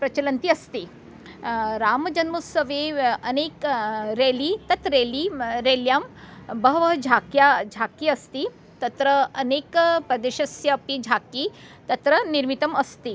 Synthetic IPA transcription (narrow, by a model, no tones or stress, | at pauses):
pɾɐt͡ʃɐlɐnt̪iɐst̪i | ɾaːmɐd͡ʒɐnmusɐʋeɐneːkɾeːlit̪ɐt̪ɾeːliɾeːljaːmbɐɦɐʋɐɦɐd͡ʒʱaːkjad͡ʒʱaːkiɐst̪i | t̪ɐt̪ɾəɐneːkpɾɐd̪eʃɐsjɐpid͡ʒʱaːki | t̪ɐt̪ɾəniɾmit̪ɐmɐst̪i